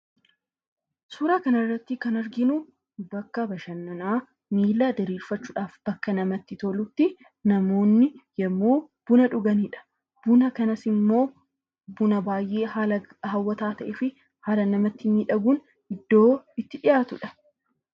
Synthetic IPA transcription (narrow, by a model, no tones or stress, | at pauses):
suːɾaːkɐnɐrːɐt̪ːɪkɐnɐɾɡɪnu | bɐkːɐbɐʃɐnːɐnaː | miːlːaːd̪ɐɾiːlfɐt͡ʃːuːᶑaːfb̥ɐkːɐnɐmɐt̪ːɪt̪olʊt̪ːɪ | nɐmo̞ːnːɪjɛmːoːb̥ʊnɐᶑʊɡɐniːᶑɐ̥ | b̥ʊnɐkɐnɐsɪmːo̞ː | bʊnɐbaːjʔe̞ːa | ɦɐwːɐt̪aːt̪ɐʔɛfɪ | haːlɐnɐmɐt̪ːɪmiːᶑɐɡuːn | ɪd̪ːo̞ːɪt̪ːɪᶑɪjaːt̪ʊᶑɐ̥